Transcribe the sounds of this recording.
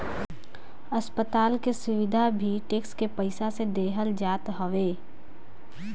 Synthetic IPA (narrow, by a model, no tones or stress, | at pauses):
ɐspət̪aːlkesʊʋɪd̪ʱabʱiʈeːkskepəɪsased̪eːɦəld͡ʒaːt̪ɦoʋeː